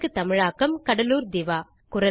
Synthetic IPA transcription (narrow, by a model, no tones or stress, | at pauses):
kːɯt̪ɐmɪɻaːkːɐmkɐɽɐluːɾd̪ɪʋaː | kʊɾɐ